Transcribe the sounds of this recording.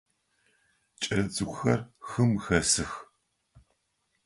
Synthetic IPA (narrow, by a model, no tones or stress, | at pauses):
t͡ʃʼɐɾɐt͡sɨɡʷʰʼʊxɐrxɨmxɐsɨx